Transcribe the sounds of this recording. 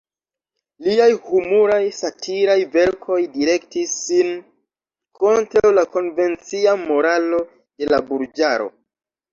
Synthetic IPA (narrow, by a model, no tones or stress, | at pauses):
liajhumuɾajsatʰiɾajve̞ɾkʰo̞jdiɾe̞ktisːin | kʰo̞ntɾawlako̞nve̞nt͡siamo̞ɾalo̞ | d̥e̞labuɾd͡ʒaɾo̞̰